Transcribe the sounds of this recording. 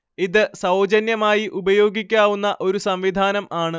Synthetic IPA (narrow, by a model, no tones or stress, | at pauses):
iðɨsɐwd͡ʑɐnjɐmaːjiʔubɐjo̞ːɡikʲːaːʋunːɐʔo̞ɾusɐmʋid̪ʱaːnɐmaːɳɨ